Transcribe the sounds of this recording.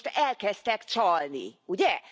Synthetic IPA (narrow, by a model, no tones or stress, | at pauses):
t̪ɛlkɛst̪ɛkt͡ʃɒlnḭuɟɛ